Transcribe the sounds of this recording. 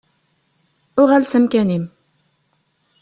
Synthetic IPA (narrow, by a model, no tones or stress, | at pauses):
ʊʁælsəmkænim